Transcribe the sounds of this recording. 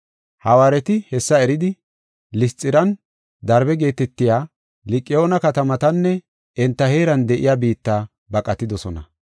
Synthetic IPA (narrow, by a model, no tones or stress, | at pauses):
hɐwaːɾɛt̪ɪhɛsːɐɛɾɪd̪ɪ | lɪst͡sʼːɪɾɐn | d̪ɐɾbɛɡe̞ːt̪ɛt̪ːɪjaː | lɪkʼːɪjoːnɐkɐt̪ɐmɐt̪ɐnːɛ | ʔɛnt̪ːɐhe̞ːɾɐnd̪ɛʔɪ̰jaːbiːt̪ːaː | bɐkʼɐt̪ːɪd̪ɔsɔnɐ̰